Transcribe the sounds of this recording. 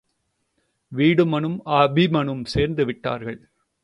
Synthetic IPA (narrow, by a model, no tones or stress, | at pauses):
ʋiːɽɯmɐɳɯmaːbʱimɐɳɯmseːɾnd̪ɯʋɪʈːa̰ːɾɣɐɭ